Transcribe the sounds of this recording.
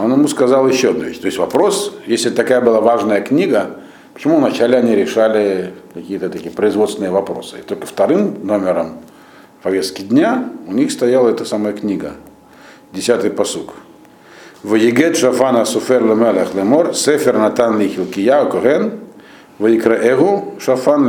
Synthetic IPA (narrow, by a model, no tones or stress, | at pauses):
onjɪmuskɐzalˠjɪɕːoɐd̪nʊvʲḛɕʲt̪oɪsʲvɐpɾo̞sjesʲlʲɪt̪ɐkajəbɨlˠavaʐnəjəknʲiɡə | pə̥t͡ɕɪmuvnɐt͡ɕalʲɪɐnʲiɾʲɪʂalʲɪkɐkʲijət̪ət̪ɐkʲijəpɾəɪzvot̪st̪ʲɪnɨjəvɐpɾo̰sɨ̥ɪt̪o̞lʲkə̥ft̪ɐɾɨmnomʲɪɾəm | pɐvʲest̪kʲɪd̪ʲnʲaʊnʲixst̪ɐjalˠəɛt̪əsaməjəknʲiɡə̰ | dʲɪsʲat̪ɨjpɐsuk | vɨjɪɡɛt̪ʂɐfanəsʊfɛrlʲəmɛlʲəxlʲˠɛmorsɛfʲɪrnat̪anlʲixʲɪlˠkʲɪjaɔkoɣɛn | vəjɪkɾəʔɛɣʊʂɐfan